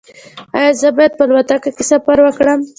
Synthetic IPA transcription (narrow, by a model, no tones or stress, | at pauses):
ɑ̰jɑzəbɑjad̪̚pəlwat̪akakesafaɾwəkɽəm